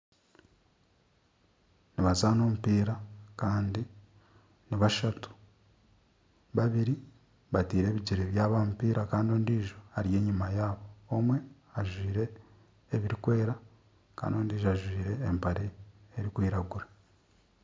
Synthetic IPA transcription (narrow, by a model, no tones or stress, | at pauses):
niβazaːno̞ːmupiːɾakaːndi | niβaʃatu̥ | βaβiɾi | βatiːɾe̞ːβiɟiɾeβjaːβaːmupiːɾakaːndio̞ːndiːʒo̞haɾije̞ːɲimajaːβo̞ːmwe̞ | aʒwiːɾe̞ː | βiɾikwe̞ːɾa | ka̰ːndio̞ːndiːʒoaʒwiːɾe̞ːmpaɾeeɾikwiːɾaɡuɾa